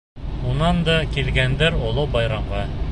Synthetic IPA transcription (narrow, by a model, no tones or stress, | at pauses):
unɑnd̪ɑkilɡænd̪æɾolˠobɑjɾɑɴʁɑ